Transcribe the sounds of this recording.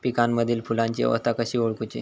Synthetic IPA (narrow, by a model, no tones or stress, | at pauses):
pikanməd̪ʱiːlfʰulãɲt͡ɕiə̰ʋə̰st̪ʰakəɕiːʋoɭkut͡ɕḭ